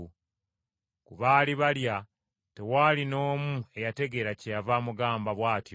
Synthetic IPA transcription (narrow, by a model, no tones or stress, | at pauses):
kuβaːliβalja | te̞waːlino̞ːmue̞jate̞ɡe̞ɾacejavaːmuɡaːmbaβwaːtjo